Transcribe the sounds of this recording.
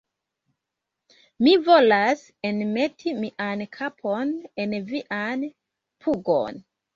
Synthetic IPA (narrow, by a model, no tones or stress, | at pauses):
mivo̞las | enme̞tʰimiʔankʰapʰonenviʔan | pʰuɡo̰n